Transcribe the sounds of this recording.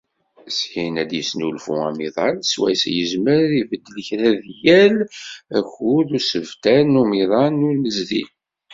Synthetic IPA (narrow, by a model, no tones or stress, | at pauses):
shinæd̪jəsnulfṵæ̰miðˤɑlswæ̰sjəzməɾivəd̪ːələçɾæðjælæçuðusəvt̪ænumiðˤɑnunəzðḭn